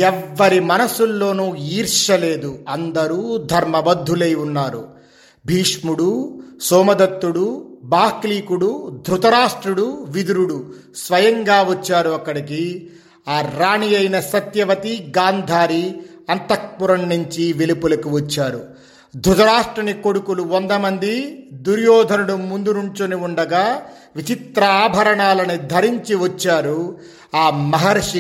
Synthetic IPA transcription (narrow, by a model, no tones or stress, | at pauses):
ɛʋːɐɾimɐnɐsulːo̞ːnuːiːɾʂɐle̞ːd̪uɐnd̪ɐɾuːd̪ʱɐɾmɐbɐd̪ʱːuleːjunːaːɾṵ | bʱiːʂmuɽusɔːmɐd̪ɐt̪ːuɽubaːkliːkuɽud̪ʱɾut̪ɐɾaːʂʈɾuɽuʋid̪uɾuɽu | sʋɐjɐŋɡaːʋɐt͡ʃːaːɾuɐkːɐɽiki | aːɾaːɳijɐjnɐsɐt̪jɐʋɐt̪iɡaːnd̪ʱaːɾiɐnt̪ɐk̚puɾɐɳnuɲt͡ʃiʋelipulɐkiʋɐt͡ʃːaːɾu | d̪ʱɾut̪ɐɾaːʂʈɾɐniko̞ɽukuluʋɐnd̪ɐmɐnd̪id̪uɾjɔːd̪ʱɐnuɽumund̪unuɲt͡ʃuniuɳɖɐɡaː | ʋit͡ʃit̪ɾɐaːbʱɐɾɐɳaːlɐnid̪ʱɐɾiɲt͡ʃiʋɐt͡ʃːaːɾu | aːmɐɦɐɾʂi